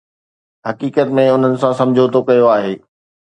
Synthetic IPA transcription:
ɦɐkiːkət̪mẽʊn̤ənɪ̆sãsɐ̃md͡ʑʱot̪okɐjoaːɦeː

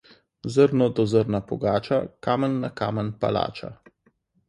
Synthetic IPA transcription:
zəɾnɔd̪ɔzəɾnapɔ̰ɡaːt͡ʃakaːmənːaka̰ːmənpa̰la̰ːt͡ʃa̰

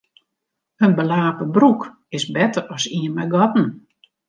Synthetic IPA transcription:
ənbəlaːpəbruk | ɪsbɛtərɔsiənmɛjɡɔtn̩

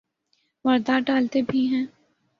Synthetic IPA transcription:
ʋɐɾd̪aɖaːlt̪ebʱiɦɛ̃ː

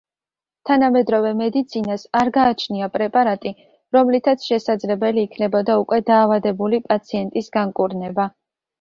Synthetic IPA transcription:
t̪ʰanamɛd̪ɾɔvɛmɛd̪it̪sʰinasaɾɡaːt͡ʃʰniapʼɾɛpʼaɾat̪ʼi | ɾɔmlit̪ʰat̪sʰʃɛsad̪zlɛbɛliːkʰnɛbɔd̪aukʼwɛd̪aːvad̪ɛbulipʼat̪sʰiɛnt̪ʼisɡaŋkʼuɾnɛba

